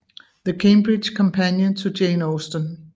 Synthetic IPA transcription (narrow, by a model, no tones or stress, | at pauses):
ðəkʰẽɪ̃mbɹɪd̥ʒ̥kʰɒ̃mpʰæ̃njə̃ntʰəd͡ʒẽɪ̃nosdə̃n